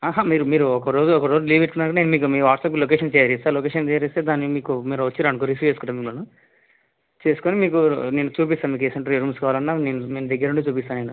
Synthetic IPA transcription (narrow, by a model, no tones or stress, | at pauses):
aːɦaːmiːɾumiːɾuɔkɐɾo̞ːd͡ʒuɔkɐɾo̞ːd͡ʒuliːbeʈkunːaːɾkːɐɽaneːnumiːk̬umiːʋaːʈsɐpklokeːʂɐnt͡ʃejɐɾesaːɾlokeʂɐnt͡ʃejɾist̪e̞ːd̪aːnːimiːkumiːɾɐʋɐt͡ʃːiɾaːnkoɾifjut͡ʃeːsukuɳʈːaːmiːɡunu | t͡ʃe̞ːsu̥konimiːkune̞ːnut͡ʃuːp̬ist̪aːmiːk̬esɐɳʈɾiɾuːmskaːʋaːlɐnːaːneːnuneːnud̪ɐɡːɐɾuɳʈet͡ʃuːpist̪aːneːnu